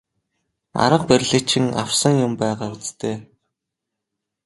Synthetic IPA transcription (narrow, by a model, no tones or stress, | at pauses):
a̰ɾə̆q̚pæɾ̆ʲɮɘ̆kt͡ɕʰɪ̆ŋa̰w̥sə̆ŋjʊmpæːʁaːut͡st̪eː